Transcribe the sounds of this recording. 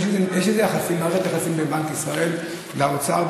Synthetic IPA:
ʃezejeʃezejaχasimaet̪jaχasimbebankisʁae̞l | laot͡saa

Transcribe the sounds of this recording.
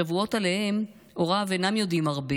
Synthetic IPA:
avuo̞tale̞he̞m | o̞ʁavenamjo̞dimaʁbe

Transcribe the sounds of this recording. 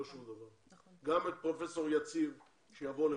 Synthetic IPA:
oʃumd̪avaʁ | ɡamet̪̚pʁo̞fe̞so̞ʁjat͡siv | ʃejavo̞le

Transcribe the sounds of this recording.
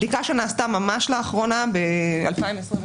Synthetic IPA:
likaʃenaːst̪amamaʃlaːχʁonabea̰lpaimesʁi

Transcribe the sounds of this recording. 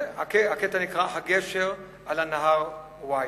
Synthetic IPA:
akeaketanikʁaɦaɡeʃeʁ | alanaɦaʁ | wa

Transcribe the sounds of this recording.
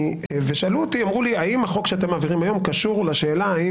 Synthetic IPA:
veʃalut̪iamʁuliaimhaχo̞kʃeat̪e̞maːviʁimajo̞mkaʃuʁlaʃeːlaːi

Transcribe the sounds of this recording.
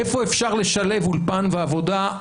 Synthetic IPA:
efo̞e̞fʃaʁle̞ʃale̞vulpanveavo̞d̪a

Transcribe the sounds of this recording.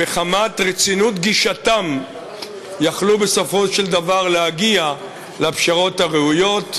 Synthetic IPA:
meχamatʁet͡sinut̪ɡiʃatam | jaχlube̞so̞fo̞ʃe̞ld̪avaʁleaɡia | leapʃaʁo̞taʁeujo̞t̪

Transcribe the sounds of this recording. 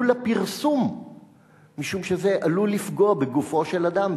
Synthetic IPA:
ulapiʁsumː | iʃumʃezeʔalulifɡoabeɡufo̞ʃelad̪am

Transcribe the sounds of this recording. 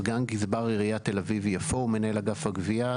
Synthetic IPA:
ɡanɡizbaʁiʁiat̪e̞lavivjafoumenaelaɡafhaɡvia

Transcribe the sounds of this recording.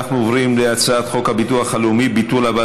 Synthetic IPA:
aχnuovʁimleat͡saat̪χo̞khabituaχhaleumibitulaba

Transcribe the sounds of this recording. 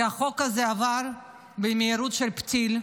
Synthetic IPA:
aχo̞kazeavaɾ | bemeiɾut̪ʃelpt͡sil

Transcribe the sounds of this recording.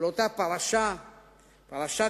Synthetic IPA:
lot̪apaβaʃa | paβaʃa

